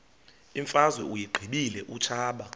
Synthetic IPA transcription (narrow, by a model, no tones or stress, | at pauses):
iɱfazwɛujiɡ͡ǃʱiɓilɛʔut͡ʃʰaːɓa